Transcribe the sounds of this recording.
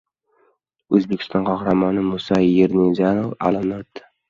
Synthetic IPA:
ɵzbekʰʲɪ̥st̪ɒnqʰɒhɾamɒnɪmʊsajeɾnezanova̰lɪmnt̪ːɪ̥

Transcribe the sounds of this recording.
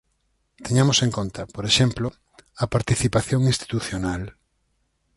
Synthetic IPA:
t̪eɲamoseŋkont̪ɐpoɾeʃemplo | ɐpaɾt̪iθipaθjõŋĩnst̪i̥t̪uθjonal

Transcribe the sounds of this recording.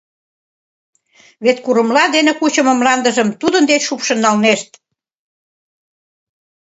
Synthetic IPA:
βet̪kuɾə̆mlɑd̪enekut͡ɕəmə̆mlɑnd̪əʒə̆mt̪ud̪ənd̪et͡ɕʃupʃənːɑlneʃt̪

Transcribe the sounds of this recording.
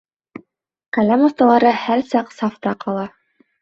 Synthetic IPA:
qælæmɑst̪ɑlˠɑɾɤhæɾsɑqsɑft̪ɑqɑlˠɑ

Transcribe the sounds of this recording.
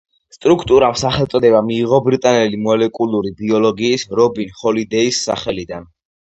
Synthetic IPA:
st̪ʼɾukʰt̪ʼuɾamsaχɛlˠt̪sʼɔd̪ɛbamiːʁɔbɾit̪ʼanɛlimɔlɛkʼulˠuɾibiɔlɔɡiːsɾɔbinχɔlid̪ɛisːa̰χɛlid̪an

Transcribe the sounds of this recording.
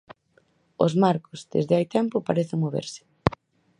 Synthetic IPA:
o̰zmaɾkozd̪ḛzðɪajt̪ɛmpʊpaɾeθɪŋmoβḛɾsɪ̥

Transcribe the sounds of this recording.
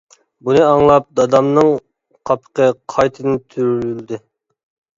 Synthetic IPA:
bunɨɑŋlˠɑp̚d̪ɑd̪ɑmnɨŋ | qʰɑpʰə̥qəqʰɑjt̪ʰɨd̪ɨt̪ʰyɾyld̪ɪ

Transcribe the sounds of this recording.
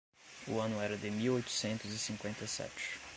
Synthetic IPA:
ʊ̰ɐ̃nʊɛɾɐd̪ɪmiwojt̪ʊ̥sẽnt̪ʊzɪsĩkwẽnt̪ɐjsɛ̰t͡ʃɪ̥

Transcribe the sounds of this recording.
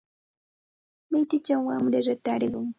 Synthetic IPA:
mɪjt̪ɪt͡ʃaŋwamɾɪɾat̪aɾɢʊŋ

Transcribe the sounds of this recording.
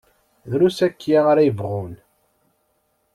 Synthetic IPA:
ðɾusækːjaʁaɾæjəvʁun

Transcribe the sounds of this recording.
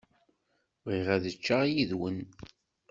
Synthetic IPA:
ʁiʁæðət͡ʃːajiðwən

